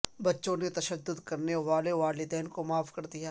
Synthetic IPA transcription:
bɐtːʃõnet̪ɐʃəd̪ːʊd̪kɐɾneʋaːleʋaːlɪd̪ɛːnkomaːfkɐɾd̪ijaː

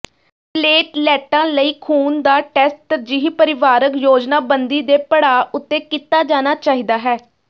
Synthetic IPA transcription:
pleːʈlɛːʈãːləiːkʰuːnd̪aːʈɛːsʈ̪əd͡ʒiːɦipəɾɪʋaːɾəkjoːd͡ʒnaːbənd̪iːd̪eːpəɽaːʔʊt̪ːeːkit̪aːd͡ʒaːnaːt͡ʃaːɦiːd̪aːɦɛː

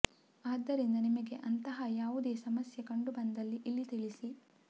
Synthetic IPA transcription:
aːd̪ːɐɾind̪ɐnimɐɡe̞ʔɐnt̪ɐɦɐjaːʋud̪eːsɐmɐsjɐkɐɳɖubɐnd̪ɐlːiʔilːit̪iɭisi

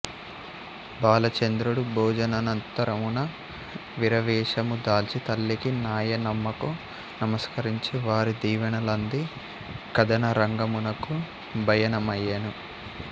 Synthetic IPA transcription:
baːlɐt͡ʃɐnd̪ɾuɽubʱɔːd͡ʒɐnɐnɐnt̪ɐɾɐmunɐ | ʋiɾɐʋɛːʂɐmud̪aːlt͡ʃit̪ɐlːikinaːjɐnɐmːɐku | nɐmɐskɐɾiɲt͡ʃiʋaːɾid̪iːʋɐnɐlɐnd̪i | kɐd̪ɐnɐɾɐŋɡɐmunɐku | bʱɐjɐnɐmɐjːɐnu

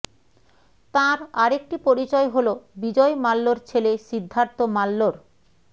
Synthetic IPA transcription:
t̪ãɾaɾek̚ʈipoɾit͡ɕɔeɦolobid͡ʑɔemalːoɾt͡ɕʰeleʃid̪ʱːaɾt̪omalːoɾ

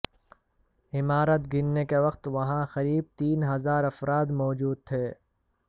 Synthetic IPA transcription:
ɪmaːɾət̪ɡɪnːekeʋɐqt̪ʋɐɦãxɐɾiːb̚t̪iːnɦɐzaːɾɐfɾaːd̪mɔːd͡ʒuːd̪̚t̪ʰeː

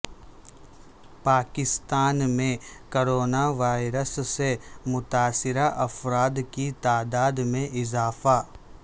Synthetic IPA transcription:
paːkɪst̪aːnmẽkoːɾoːnaʋaːɪɾəsːemʊt̪aːsɪɾaʔɐfɾaːd̪kit̪aːd̪aːd̪mẽʔɪzaːfa

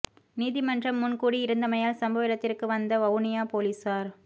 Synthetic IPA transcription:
niːðimɐndrɐmːʊnkuːɽiɪɾɯnd̪ɐmɐjaːlsɐmbɐʋɪɽɐt̪ːɪrkɯʋɐnd̪ɐʋɐʋnɪjaːpoːliːsaːɾ

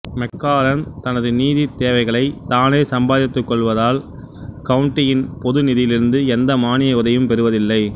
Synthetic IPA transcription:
mɛkːaːlɐnt̪ɐnɐðɯniːðit̪ːeːʋɐɪɣɐɭɐɪt̪aːneːsɐmbaːðɪt̪ːɯkːɔɭʋɐðaːl | kɐʋʊɳʈːɪjɪnpɔðɯnɪðɪjɪlɪɾɯnd̪ɯɛnd̪ɐmaːnɪjɐʊðɐjɯmpɛɾɯʋɐðɪlːɐɪ

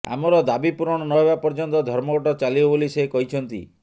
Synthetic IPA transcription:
a̰mɔɾɔd̪abipuɾɔɽ̃ɔnɔɦeβapɔɾd͡ʒɔnt̪ɔd̪ʱɔɾmɔɡɔʈɔt͡ʃalibɔbolisekɔɦit͡ʃʰɔnt̪ḭ

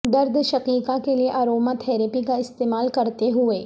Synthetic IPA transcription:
d̪ɐɾd̪ʃɐqiːkãkelieʔaːɾoːmat̪ʰɛːɾəpikaɪst̪eːmaːlkɐɾt̪eɦʊeː

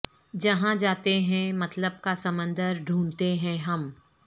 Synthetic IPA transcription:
d͡ʒɐɦãd͡ʒaːt̪eɦɛ̃mɐt̪ləb̚kasɐmə̃nd̪əɾɖʱũːnt̪eɦɛ̃ɦɐm

